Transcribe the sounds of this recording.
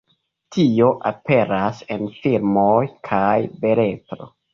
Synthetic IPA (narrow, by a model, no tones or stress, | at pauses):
tʰio̞ʔape̞ɾase̞nfiɾmojkʰajbe̞ɾe̞tɾo̰